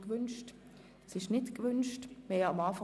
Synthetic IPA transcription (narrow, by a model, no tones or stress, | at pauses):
kʋʏnʃt | sɪʃnɪtkʋʏnʃtmeːɑmaːfa